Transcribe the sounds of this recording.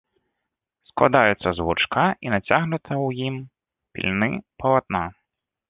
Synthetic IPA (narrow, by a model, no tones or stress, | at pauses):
sklˠa̰d̪ajɛt̪sːɐzvut͡ʂkaʔinat͡sʲaɣnɛt̪ʰɐwjim | pʲḭlʲnɨpɐlˠat̪̚na